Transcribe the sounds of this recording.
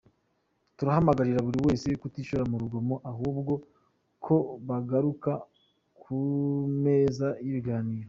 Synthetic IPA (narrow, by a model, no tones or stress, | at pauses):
tuɾahamaɡaɾiɾaβuɾiwe̞ːse̞kutiːʃuɾamuɾuɡo̞mo̞ʔaɦuːbɡo̞ | kʰo̞βaɡaɾuka | kʰume̞ːzaiβiɡaːniːɾo